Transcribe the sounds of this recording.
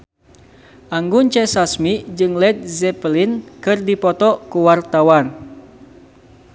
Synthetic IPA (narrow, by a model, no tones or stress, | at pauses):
ʔaŋɡunt͡ʃɛsasmid͡ʒɨŋlɛt̪̚zɛplinkɨrdipɔt̪ɔkuwart̪awan